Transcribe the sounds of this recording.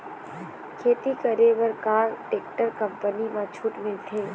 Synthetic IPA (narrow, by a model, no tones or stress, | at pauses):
kʰeːt̪ikəɾeʋəɾkaːɾʈeːk̚ʈəɾkəmpənimãt͡ʃʰuːʈmɪlt̪ʰẽː